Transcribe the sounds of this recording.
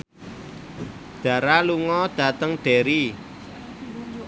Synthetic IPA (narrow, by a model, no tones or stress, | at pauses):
d̥ä̤ɾaluŋɔd̪̥ä̤t̪əŋɖ̥e̤ɾi